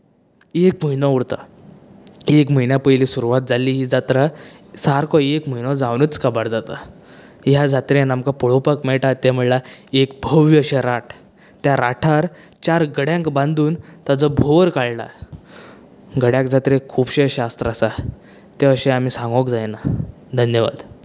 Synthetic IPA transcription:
ekm̤əinɔuɽt̪a | ekm̤əjnjapəjliːsuɾuʋat̪̚d͡zalːiːɦiːd͡zat̪ɾasaɾkʰɔekm̤əinɔd͡zãwnət͡skəbaɽd͡zat̪a | jad͡zat̪ɾẽnamkapəɭopakmeɭʈat̪ːem̤əɭlaekbʱəʋiəɕẽɾaʈʰ | t̪jaɾaʈʰaɾ | t͡ɕaɾɡəɽjãŋkbãnd̪uːnt̪ad͡zɔbʱoʋəɾkaɭla̰ | ɡəɽjãkd͡zat̪ɾekʰuːbɕẽəɕast̪ɾasa | t̪eəɕẽamiːsãŋɡɔkd͡zajna | d̪ʱənjəʋa̰d̪

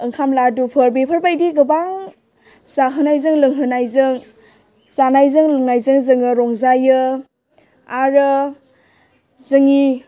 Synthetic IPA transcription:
ɯŋkʰamladupʰəɾbepʰəɾbajdiɡɯbaŋ | zaɦɯnajzɯŋlɯŋɦɯnajzɯŋ | zanajzɯŋlɯŋnajzɯŋzɯŋɯɾɔŋzajɯ | aɾɯ | zɯŋi

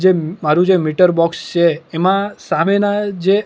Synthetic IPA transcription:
d͡ʒemaɾũd͡ʒemiʈəɾbɔkst͡ʃʰeːmãsamenad͡ʒe

